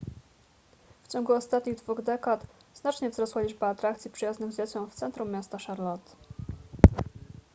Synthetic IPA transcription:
ft͡ɕɔŋɡuɔst̪at̪ɲiɣd̪vuɣd̪ɛkat̪z̥nat͡ʂɲɛvzɾɔswalʲiʐbaːt̪ɾakt̪sʲipʂɘjaznɘɣzd͡ʑat͡ɕʲɔ̃w̃ft̪sɛnt̪ɾumːjast̪aʂaɾlɔt̪

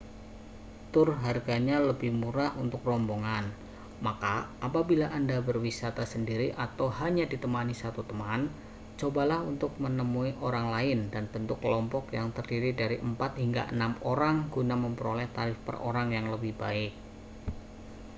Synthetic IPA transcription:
t̪ʊrɦarɡaɲaləbɪhmuɾahunt̪ʊkrɔmboŋan | makaːpabilaʔandabərwisat̪asəndiɾiʔat̪awɦaɲadit̪əmanisat̪ut̪əman | t͡ʃobalahunt̪ʊk̚mənəmuiʔoɾaŋlaɪndanb̥ənt̪ʊkːəlɔmpɔkjaŋt̪ərdiɾidaɾiʔəmpat̪̚hiŋɡa̰ʔə̰namoɾaŋɡunaməmpəɾolɛht̪aɾɪfpə̰rʔo̰ɾaŋjaŋləbɪhba̰ɪk̚

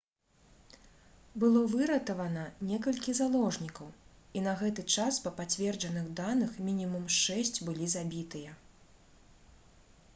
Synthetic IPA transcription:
bɨlˠɔvɨɾɐt̪ɐvɐnɐnʲɛkɐlʲkʲizalˠɔʐnʲikɐw | in̪ɐɣɛt̪ɨt͡ʂaspɐpat͡sʲvʲɛrd͡ʐɐnɨɣd̪anɨxmʲinʲimumʂɛsʲt͡sʲbɨlʲizabʲit̪ɨjɐ

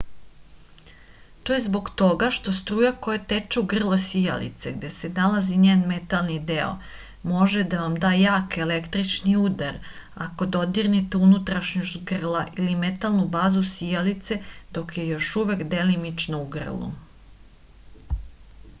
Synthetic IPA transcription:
t̪ojezbo̞ɡt̪o̞ɡaʃt̪o̞st̪ɾuːjakojet̪et͡ʃeuɡr̩lˠosija̰lḭt̪seɡd̪e̞senalaziɲeːnme̞t̪alˠnid̪eo̰ | mo̞ʒed̪aʋamd̪aːjaːke̞lekt̪ɾit͡ʃniuːd̪aɾako̞d̪o̞d̪iɾnit̪eunut̪ɾaʃɲoʃt̪ɡr̩laʔilime̞t̪alˠnubaːzusijalit̪se̞d̪̥o̞kje̞jo̞ʃuʋekd̪e̞limit͡ʃnouɡr̩lˠṵ

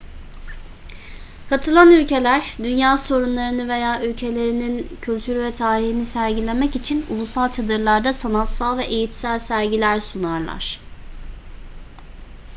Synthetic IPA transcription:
kʰat̪ʰɯlˠanylʲce̞lʲæɾd̪ynjaːso̞ɾunlˠaɾɯnɯve̞jaːʔylʲcʰe̞lʲe̞ɾinincʰylʲt̪ʰyɾyvɛt̪ʰaːɾihinisæɾɟilʲemɛcit͡ʃʰinṵlˠusalˠt͡ʃʰad̪ɯɾlˠaɾd̪asanat̪salˠvɛʔejit̪sælʲsæɾɟilʲæɾsunaɾlˠa̰ɾ̥

